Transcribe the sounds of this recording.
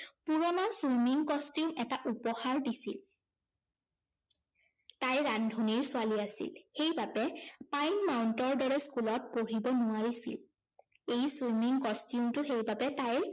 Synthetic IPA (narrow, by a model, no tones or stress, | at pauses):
puɹɔnaswmiŋkɔstjumɛtaʔupɔxaɹdisḭl | tajɹandʱuniɹsʊaliasḭlxejbabɛpajnmawntɔɹdɔɹɛskulɔt̚poɹibɔnʊaɹisḭl | ejswijmiŋkɔstjumtʊxejbabɛtajɹ